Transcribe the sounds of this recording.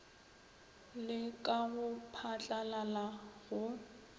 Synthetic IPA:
lɪkʼaɣʊpʰat͡ɬʼalalaɣʊ

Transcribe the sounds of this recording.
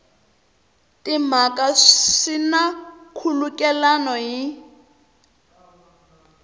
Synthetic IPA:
tʼim̤akʼaʂinakʰulukʼɛlanɔɦi

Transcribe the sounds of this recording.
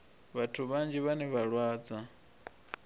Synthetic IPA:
βatʰuβand͡ʒiβanɛβaɺwaːd͡za

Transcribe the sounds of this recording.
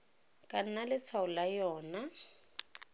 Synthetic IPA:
kʼan̩nalɪt͡sʰwaʊlajɔːna

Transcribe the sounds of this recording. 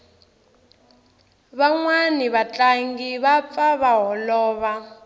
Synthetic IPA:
βaŋwaniβat͡ɬʼaŋɡiβap̪faβaɦɔlɔːβa

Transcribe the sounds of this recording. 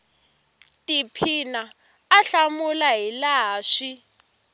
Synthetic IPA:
tʼipʰina | aɬamulaɦilaːʂi

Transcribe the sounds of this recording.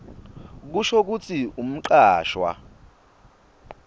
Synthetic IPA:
k̬uʃok̬ut͡sʰʼium̩ǃaːʃwa̰

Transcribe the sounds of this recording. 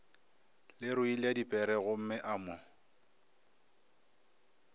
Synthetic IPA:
lɪɾʊiladipʼɛɾɛɣʊm̩mɪʔamɔ

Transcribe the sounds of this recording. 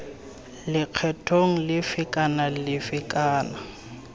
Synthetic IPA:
lɪq͡χʰɛtʰoŋ̩lɪfɪkʼanalɪfɪkʼaːna

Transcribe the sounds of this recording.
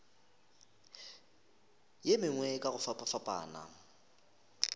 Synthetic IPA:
jemɪŋwɛkʼaɣʊfapʼafapʼa̰ːna̰

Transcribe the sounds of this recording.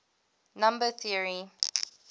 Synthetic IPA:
nãmbəθiəɹi

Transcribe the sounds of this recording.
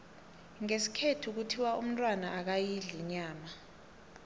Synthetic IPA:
ŋesi̥kʰetʰuk̬utʰiwaʔum̩ntʼwanaʔak̬ajiɮiɲaːma

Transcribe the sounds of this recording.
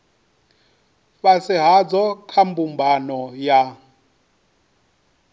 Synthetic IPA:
βasɪɦad͡zɔkʰambumbanɔja

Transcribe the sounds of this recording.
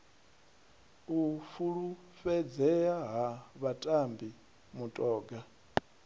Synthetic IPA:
ufuɺu | fɛd͡zɛaɦaβatʼambi | mutʼɔːɡa

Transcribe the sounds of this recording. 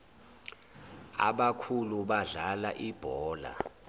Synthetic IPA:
a̰ɓakʰuluɓaɮalaʔib̥ʱɔːla̰

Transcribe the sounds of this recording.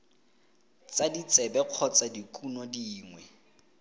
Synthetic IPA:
t͡sadit͡sʼɛbɛq͡χʰɔt͡sadikʼunɔdiːŋwɛ

